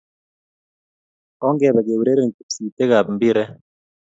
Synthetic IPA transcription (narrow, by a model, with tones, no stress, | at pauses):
ɔ˦ŋɡɛ˨bɛ˨ɡe˨wɾe˦ɾe˦˨ŋ˨ku˨psiː˨t̪e˦ɡa˨bm̩˦bi˦ɾɛ˦